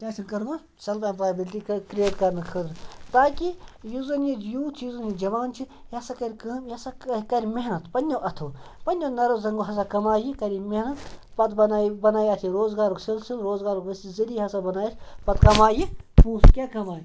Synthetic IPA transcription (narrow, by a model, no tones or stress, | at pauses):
kʲaːt͡ʃʰikɐɾmɐ | sɐlpaːpɾaːjbilʈikɾjeːʈkɐɾnɨkʰɨd̪t̪aːkijuzɐnjijuːt̪ʰjuzɐnjid͡ʒɐʋaːnt͡ʃʰi | jɐsakɐɾʲkɐːmjɐsakɐɾʲimeɦnɐt̪pɐnʲːoʔɐt̪ʰoːpɐnʲːonɐɾozɐŋɡoɦɐs̬aːkɐmaːjikɐɾimeɦnɐt̪pɐt̪bɐnabɐnaːjaːt̪ʰiɾoːzɡaːɾuksilsilɾoːzɡaːɾukʋɐsizɐliɦɐsabɐnaːjaːt̪ʰʲipɐt̪kɐmaːjipuːskʲaːkɐmaːj